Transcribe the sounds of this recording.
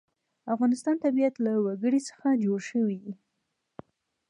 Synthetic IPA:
afɣɑnɪst̪ɑnt̪abijat̪lawaɡəɽisə̥xad͡ʒoɽʃəwii

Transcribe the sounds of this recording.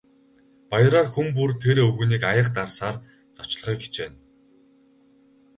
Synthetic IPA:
pajəɾaːrxump̬urt̪ʰeɾɵɣŭːniːkajə̆qt̪arsaːr | t͡s̪ɔ̥t͡ɕ̆ɮ̆χœːɡe̥t͡ɕpæːn

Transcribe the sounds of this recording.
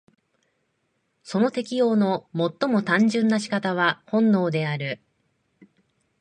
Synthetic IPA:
so̞no̞t̪e̞kʲijo̞ːno̞mo̞t̪ːo̞mo̞t̪ãɲ̟d͡ʑɨ̃nːaɕi̥kat̪aβ̞ahõ̞nːo̞ːd̪e̞aɾɯ̟

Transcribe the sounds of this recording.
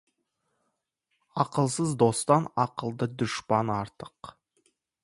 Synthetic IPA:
ɑqəlˠsəzd̪o̞st̪ɑnɑqəlˠd̪əd̪ʊʃpɑnɑɾt̪əq

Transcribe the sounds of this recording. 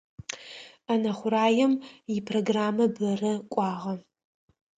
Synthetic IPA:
ɐnɐχʷʊɾaːjɛmjɪpʰroɡraːmɐbɐrɐkʷʼɑːʁɐ

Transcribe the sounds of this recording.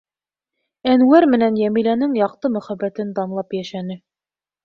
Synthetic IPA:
ænwæɾmɘ̆nænjæmilænɘŋjɑq̚t̪ɤmɵ̆χæbːæt̪ɘnd̪ɑmlˠɑpjæʃænɘ

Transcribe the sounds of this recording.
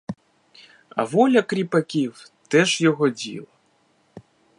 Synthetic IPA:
ɐ̰vɔlʲɐkɾʲipakʲiwt̪ɛʂjɔɣɔd͡zʲḭlˠɐ

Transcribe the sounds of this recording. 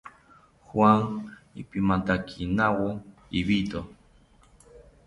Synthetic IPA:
xwaŋḭpimant̪akʰinawoiβit̪o

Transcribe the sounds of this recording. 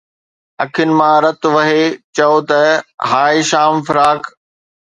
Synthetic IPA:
ɐkʰjʊnɪ̆mãːɾɐt̪ʊʋɐɦet͡ɕɐot̪ɐɦaːeʃaːmfɪɾaːk

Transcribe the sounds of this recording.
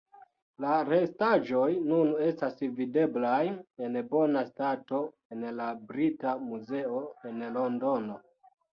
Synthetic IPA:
laɾestaʒo̞jnune̞stasvide̞blaje̞nbo̞nastato̞ | e̞nlabɾitamuze̞o̞e̞nlo̞ndo̞no̞

